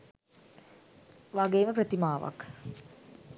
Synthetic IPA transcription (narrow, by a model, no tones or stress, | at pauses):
ʋaɡeːməprət̪imaːʋa̰k